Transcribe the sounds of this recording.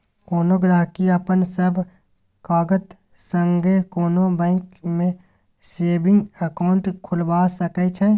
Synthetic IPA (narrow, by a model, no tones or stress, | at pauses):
koːnoɡɾaːɦkiɐpənsəbʱ | kaːɡət̪ | sə̃ŋɡekoːnobɛ̃ːŋkmẽ | seːbɪ̃ŋɡɐkaːʊɳʈkʰʊlbaːsɐket͡ʃʰɛ